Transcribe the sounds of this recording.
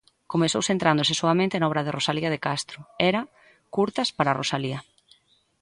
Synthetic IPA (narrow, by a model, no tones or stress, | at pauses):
komesowsent̪ɾand̪ʊsesoamẽnt̪enaɔβɾɐðɪrosaliɐðekast̪ɾʊɛɾɐ | kuɾt̪ɐspaɾarosaliɐ